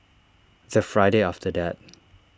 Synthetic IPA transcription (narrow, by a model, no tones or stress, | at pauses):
ðəfɹaɪɾeɔfdədɛt̚